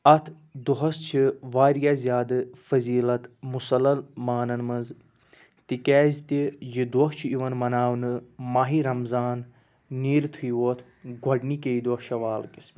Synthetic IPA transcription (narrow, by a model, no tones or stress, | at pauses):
ɐt̪ʰ | d̪uɦɐst͡ʃʰiʋaːɾjaːzʲjaːd̪ɨfɐziːlɐt̪musɐlːɐlmaːnɐnmɐnz | t̪ikɛːzt̪ijid̪oɦt͡ʃʰiiʋɐnmɐnaːwnɨmaːɦiɾɐmzaːnː | iːɾt̪ʰɨjʋoːt̪ʰ | ɡʱɐɖniked̪wɐhʃɐʋaːlkis